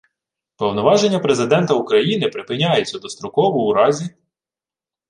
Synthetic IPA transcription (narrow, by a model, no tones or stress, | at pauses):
pɔwnɔʋɑʒe̞nʲːɐpɾe̞zɪd̪ɛnt̪ɐukɾɐjinɪpɾɪpɪnʲajet͡sʲːɐd̪ɔst̪ɾɔkɔʋɔuɾɑzʲi